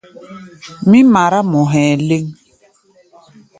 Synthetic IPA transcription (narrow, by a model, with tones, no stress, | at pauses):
mi˦ma˨ɾa˦mɔ˨ɦɛː˨le˦ŋ